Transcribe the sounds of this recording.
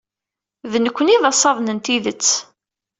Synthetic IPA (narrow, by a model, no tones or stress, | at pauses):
ðnəkʷːəniðɑsˤːɑðˤnənt̪iðət͡sː